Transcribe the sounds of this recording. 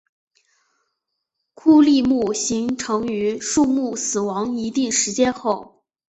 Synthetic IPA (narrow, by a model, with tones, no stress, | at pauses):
kʰu˥˧li˥˧mu˥˩ɕi˧˥ŋʈ͡ʂʰɤ˧˥ŋy˧˥ʂu˥˧mu˥˩sɹ̩˨˩wɑ˧˥ŋi˧˥t̪i˥˩ŋʂɻ̩˧˥t͡ɕjɛ˥nxo˥˩ʊ